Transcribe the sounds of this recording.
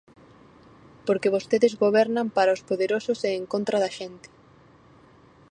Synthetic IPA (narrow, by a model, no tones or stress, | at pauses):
poɾkeβ̞ost̪eðɪzɣoβɛɾnampaɾaospoðeɾosʊseːŋkont̪ɾaðɐʃent̪ɪ̥